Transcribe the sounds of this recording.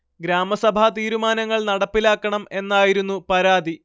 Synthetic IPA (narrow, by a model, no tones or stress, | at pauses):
ɡɾaːmɐsɐbʱat̪iːɾumaːnɐŋːɐɭnɐɽɐpːilaːkːɐɳɐme̞nːaːjiɾunːupɐɾaːd̪ʱi